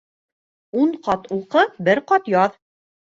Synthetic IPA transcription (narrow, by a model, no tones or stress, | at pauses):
uɴqɑt̪ulˠqɤbɘɾqɑt̪jɒð